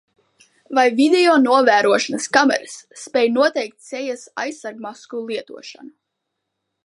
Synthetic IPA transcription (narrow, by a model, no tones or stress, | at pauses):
vajvid̪ʲɛjɔnuɔvæːɾuɔʃanɐskamɛ̰ɾɨsːpʲɛjnuɔt̪ɛjk̚t̪sɛjasa̰jsːaɾɡ̚maskulˠiɛt̪uɔʃa̰nu